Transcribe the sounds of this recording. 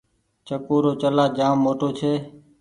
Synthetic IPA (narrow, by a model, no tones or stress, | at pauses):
t͡ʃəkoːɾoːt͡ʃəlaːd͡ʒaːmːoːʈoːt͡ʃʰeː